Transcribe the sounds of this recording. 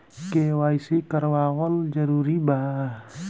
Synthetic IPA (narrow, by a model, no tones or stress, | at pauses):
kewaisikərwawɔld͡ʒaɾuɾiba